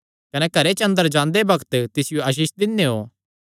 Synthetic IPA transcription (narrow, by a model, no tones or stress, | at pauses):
kɐnɛkɐɾet͡ʃɐ̃nd̪əɾd͡ʒãːnd̪ebɐkt̪t̪ɪsɪjoɐʃ̬iːʃd̪ɪnːeɦo̰ː